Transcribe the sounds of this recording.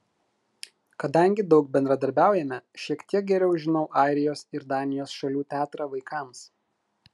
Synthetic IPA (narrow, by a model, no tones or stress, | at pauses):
kɐd̪ɐˑŋʲɡʲɪd̪ɒʊk̚bʲɛnd̪ɾɐd̪ɐɾʲbʲæˑʊjɛmʲɛʃʲiɛkt̪ʲiɛk̚ɡʲɛɾʲɛʊʒʲɪnɔʊʔɑˑɪɾʲɪjoːsɪɾd̪ɑːnʲɪjoːsʃɐlʲuːt̪ʲæːt̪ɾɑʋɐɪkʰɑˑms